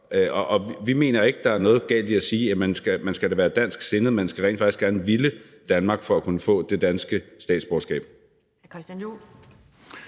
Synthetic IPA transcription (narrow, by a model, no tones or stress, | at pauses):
ʔɒʔɒ̽ʋime̝̰ːnɐe̝ɡ̥əd̥ɑ̈æɐnɔ̽ːð̩ˠɡ̥ɛ̰ːld̥iæsiːjæmensɡ̥æmænsɡ̥æɾæʋæːɐd̥æn̰sɡ̥se̝nð̩ˠmensɡ̥æʁɛ̰n̥fɑ̈ɡ̥isɡ̥æɐnəʋilə | d̥ænmɑ̈ːɡ̥fɒ̽ækʰunəfɔ̰̽ːd̥e̝d̥ænsɡ̥əsd̥ɛ̰ːd̥sb̥ɒːsɡ̥ɛ̰ːb̥̚